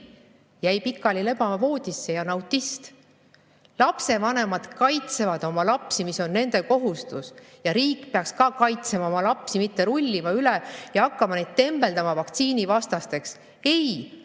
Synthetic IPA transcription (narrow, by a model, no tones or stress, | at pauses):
jæjpikːˑɑlileb̥ɑɑvo̞ːd̪̥ʲisːe̞jɑnɑwt̪ʲːˑist̪ | lɑpse̞vɑne̞mɑd̪̥kɑjt̪se̞vɑd̪̥o̞mɑlɑpsimiso̞nːe̞nd̪e̞ko̞ɦust̪us | jɑɾiːkːˑpeɑkskɑkɑjt̪semɑo̞mɑlɑpsimit̪ːe̞ɾulʲːimɑylejɑɑkːɑmɑne̞d̪̥̚t̪e̞mb̥e̞ld̪ɑmɑvɑkt̪siːnivɑst̪ɑst̪e̞ks | e̞j